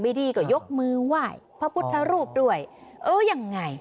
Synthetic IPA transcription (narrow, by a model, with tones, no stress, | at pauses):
ma˧˩diː˧kɔː˧˩jo˦˥k̚mɯː˧waː˥˩jpʰɔ˧˥pʰu˦˥t̪ʰːa˧ɾuː˥˩p̚du˥˩əjʔɤː˧˩ja˧ŋːa˧˩j